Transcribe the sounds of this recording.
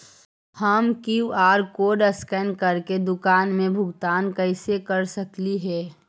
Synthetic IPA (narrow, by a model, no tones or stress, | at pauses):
həmkiuaːɾkoːɖəskɛːnkəɾked̪ʊkaːnmẽbʱʊɡt̪aːnkəɪsekəɾsəkliɦɛː